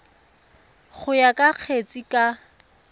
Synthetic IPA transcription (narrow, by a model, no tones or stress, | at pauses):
χʊjakʼaq͡χʰet͡sʼikʼa